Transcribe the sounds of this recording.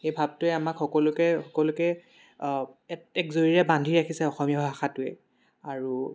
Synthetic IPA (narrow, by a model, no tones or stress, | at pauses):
xejbʱab̚tʊɛamakxɔkɔlʊkɛxɔkɔlʊkɛ | ɛtɛkzoɹiɹɛbandʱiɹakʰisɛɔxɔmijabʱaxatʊɛ̰ | aɹu